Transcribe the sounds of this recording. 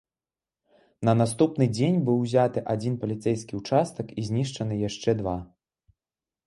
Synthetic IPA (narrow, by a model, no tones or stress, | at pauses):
nɐnast̪upn̪ɨd͡zʲenʲbɨwzʲat̪ɨʔad͡zʲinpɐlʲit̪sɛjskʲiut͡ʂast̪ɐkizʲnʲiʂt͡ʂɐnɨjaʂt͡ʂɛd̪va